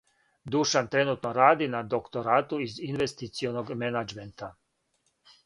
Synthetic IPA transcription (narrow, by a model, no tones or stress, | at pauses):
d̪uʃant̪ɾenuːt̪noɾaːd̪inad̪okt̪o̞ɾaːt̪uizinʋest̪it̪sijonoɡmenad͡ʒment̪a